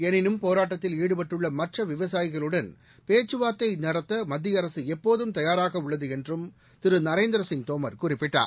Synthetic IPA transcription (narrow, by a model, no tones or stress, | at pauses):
ɛnɪnɯmpoːɾaːʈːɐt̪ːɪliːɽɯpɐʈːɯɭːɐmɐʈrɐʋɪʋɐsaːjɪɣɐɭɯɽɐn | peːt͡ʃːɯʋaːt̪ːɐɪnɐɽɐt̪ːɐmɐd̪ːijɐɾɐsɯɛpːoːðɯmt̪ɐjaːɾaːɣɐʊɭːɐðɯɛndrɯm | t̪ɪɾɯnɐɾeːnd̪ɾɐsɪŋt̪oːmɐɾkʊrɪpːɪʈːa̰ː